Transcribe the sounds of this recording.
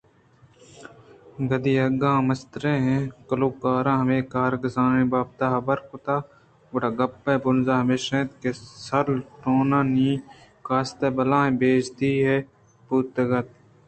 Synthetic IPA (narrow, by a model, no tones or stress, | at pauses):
ɡɐd̪iːɐɡãːmɐst̪ɾẽːɦẽkɐluːkaːɾãːɦɐʋẽːkaːɾɡɐzãːnẽːbaːb̚t̪aːɦɐbɐɾkʊt̪aː | ʋʊʈaːɡɐpːẽːbʊnzaːɦmeːʃẽːt̪kesɐɾlʈoːnãːniːkaːst̪eːbɐlãːɦẽːbeːd͡ʒd̪iːɦe | puːt̪ɐɡɐt̪̚